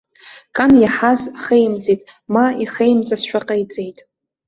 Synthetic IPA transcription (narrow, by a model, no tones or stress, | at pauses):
kʼanjaħazχejmd͡zejtʼmaiχejmd͡zasʃʷᶣaqʼejt͡sʼejtʼ